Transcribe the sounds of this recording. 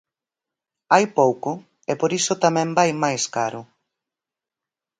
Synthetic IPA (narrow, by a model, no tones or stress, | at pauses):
ajpowkʊ | epoɾisʊt̪amɛ̃mbajmajskaɾʊ